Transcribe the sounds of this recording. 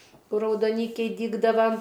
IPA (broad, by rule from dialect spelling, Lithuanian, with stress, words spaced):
ˈkʊr rɐʊdoːˈnʲiːkʲɛɪ ˈdʲiːɡdɐʋɐ